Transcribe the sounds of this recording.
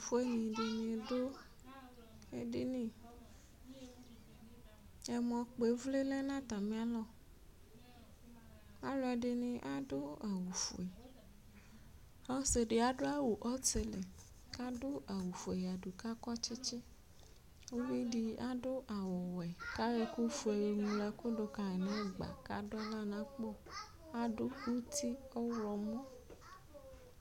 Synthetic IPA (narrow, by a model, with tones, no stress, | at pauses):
fo˦e˦ɲĩ˨ɖe˨nĩ˨do˦ | e˦ɖi˦nĩ˦˨ | ɛ˨mɔ̃˨k͡pe˨˦vle˦le˦nã˦t̪a˨mĩ˦a˦lɔ˦ | a˦lɔ˨ɛ˨ɖe˨nĩ˨ʔa˦do˦a˨wu˨fṵ˨e˨ | ɔ˦se˨ɖe˨a˨ɖo˦a˦wo˨ʔɔ˦te˦le˨ | ka˦dʊ˦a˨wu˨fu˨e˨ja˨du˨ka˦kɔ˦t͡ʃe˦t͡ʃe˦ | o˦wi˦di˧a˦do˦ʔa˨wɔ˨wɛ˨ka˦we˧ko˦fu˨ɛ˨we˧ŋũ˧la˧ko˦do˧ka˨ɛ˨nã˨˦˨ɡ͡ba̰˨ka˦dʊ˦a˦la˦nã˨˦k͡pɔ˦˨ | a˦dʊ˦u˦ti˦ɔ˦lɔ˧mɔ̃˦